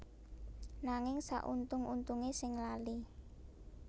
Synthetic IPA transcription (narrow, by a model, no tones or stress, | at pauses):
naŋɪŋsa̰ʔṵnt̪ʊŋʔunt̪uŋesɪŋlali